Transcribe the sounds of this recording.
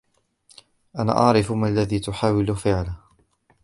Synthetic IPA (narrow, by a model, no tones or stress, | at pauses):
ʔana̰ːʔɑʕɾɪfmalːaðiːt̪ʊħaːwɪlʊfɪʕla